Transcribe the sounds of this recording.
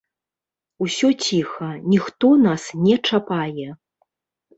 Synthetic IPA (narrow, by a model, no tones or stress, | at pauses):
usʲɔt͡sʲixɐnʲixt̪ɔnasnʲɛt͡ʂapajɛ